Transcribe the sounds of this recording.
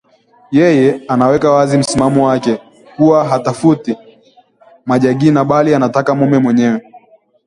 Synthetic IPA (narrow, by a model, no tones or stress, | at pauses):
jɛjɛanawɛkawazim̩simamɔwakɛ | kuwaɦatafuti | maʄaɠinaɓalianatakamumɛmwɛɲɛwɛ